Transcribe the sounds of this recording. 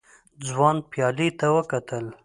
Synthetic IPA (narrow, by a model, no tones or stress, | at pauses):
d͡zwɑnpjɑlit̪awəkat̪əl